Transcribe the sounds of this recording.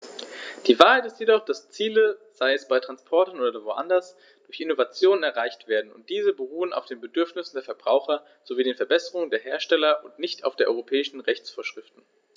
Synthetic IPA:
d̥iːvaːɐhaɪtɪstjedɔχd̥ast͡siːləz̥aɪɛsb̥aɪtʁ̥anspʰɔɐtnʔoːdɐvoʔa̰ndɐs | d̥ʊɐçɪnovat͡sjoːnənɛɐʁaɪçtv̥eːɐdn̩ʊ̰nt̚d̥iːzəbəʁ̞uːəna̰ʊfd̥eːnbədʏɐfnɪsn̩deːɐfɛɐbʁaʊxɐ | z̥oviːdeːnfɛɐbɛsəʁʊŋndeːɐɦeːɐʃtɛlɐʔʊntnɪçta̰ʊfd̥eːɐʔɔʏʁopʰɛːɪʃn̩ʁɛçt͡sfoːɐʃʁ̥ɪftn̩

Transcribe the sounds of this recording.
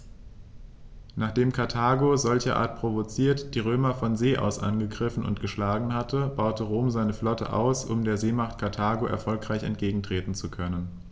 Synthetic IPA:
naːχd̥eːmkʰaɐtʰaːɡozɔlçɐʔa̰ːɐt̚pʁ̥ovot͡siːɐtd̥iːʁøːmɐfɔnzeːʔa̰ʊsʔa̰nɡəɡʁɪfn̩ʊ̰ntɡ̥əʃlaːɡŋ̩hatʰəb̥aʊtəʁoːmzaɪnəflɔtə̰ʔa̰ʊsʔʊ̰mdeːɐzeːmaχtkʰaɐtʰaːɡoʔɛ̰ɐfɔlkʁ̥aɪçɛ̰nt̚ɡ̥eːɡŋ̩tʁ̥eːtn̩t͡sukʰœnən

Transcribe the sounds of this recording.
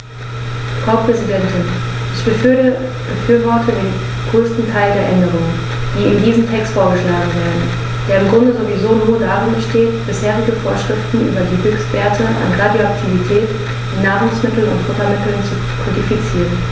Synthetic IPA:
fʁ̥aʊpʁ̥ɛzidɛntɪn | ʔɪçb̥ə | b̥əfyːɐvɔɐtʰədeːn | ɡ̥ʁøːstn̩tʰaɪldeːɐʔɛndəʁ̞ʊŋən | d̥iːɪmdiːzn̩tʰɛkstfoːɐɡəʃlaːɡŋ̩veːɐdn̩ | d̥eːɐɪmɡʁʊndəzovizoːnuːɐdaːʁɪnbəʃteːtb̥ɪsheːʁɪɡəfoːɐʃʁ̥ɪftn̩ʔy̰ːbɐdiːɡʏkstv̥eːɐtʰəʔa̰nʁadjoaktʰivitʰɛːt | minaːʁʊŋsmɪtl̩nʊ̰ntfʊtɐmɪtl̩nt͡su | kʰʊntifit͡siːʁən

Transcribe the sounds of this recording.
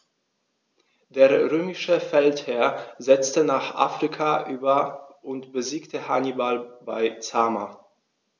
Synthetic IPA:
d̥eːɐʁøːmɪʃəfɛlthɛɐzɛt͡stənaːχʔa̰ːfʁ̥ikʰaʔyːbɐʔʊntb̥əziːktəhanibalb̥aɪt͡saːma

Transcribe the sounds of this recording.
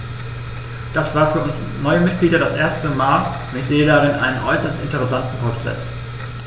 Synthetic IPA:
d̥asv̥aːɐfyːɐʔʊns | nɔʏəmɪt̚ɡ̥liːdɐdasʔeːɐstəmaːl | ʊ̃nɪçz̥eːədaʁɪnʔa̰ɪnənʔɔʏsɐstɪntəʁɛsantn̩pʁ̥ot͡sɛ̰s

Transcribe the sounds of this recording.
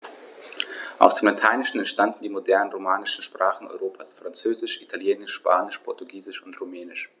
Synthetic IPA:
ʔa̰ʊsd̥eːmlatʰaɪnɪʃn̩ɛntʃtandn̩diːmodɛɐnənʁomaːnɪʃn̩ʃpʁ̥aːχn̩ɔ̰ʏʁoːpʰaːsfʁ̥ant͡søːzɪʃʔitʰaljeːnɪʃʃpa̰ːnɪʃpʰɔɐtuɡiːzɪʃʊntʁomɛːnɪʃ

